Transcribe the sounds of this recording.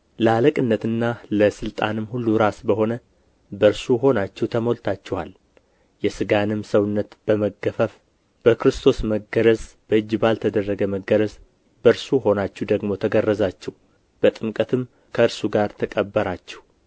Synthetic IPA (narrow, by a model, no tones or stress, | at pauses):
ləaləkʼɨnːət̪ɨnːaləsɨlt̪ʼa̰nɨmhulːuɾasbəho̞nə | bəɾsuɦo̞nat͡ʃːɛwt̪ʰəmo̞lt̪ʰat͡ʃːɛwa̰l | jɛsɨɡanɨmsəwnːət̪b̥əməɡːəfəf | b̥əkɾɨst̪ʰo̞sməɡəɾəzb̥əɨd͡ʒːbalt̪ʰəd̪ərːəɡəməɡəɾəz | bəɾsuho̞nat͡ʃːɛhd̪əɡmo̞t̪ʰəɡərːəzat͡ʃːɛw | b̥ət̪ʼɨmkʼət̪ʰɨm | kʰəɨɾsuɡaɾt̪ʰəkʼəbːəɾat͡ʃːɛ̥h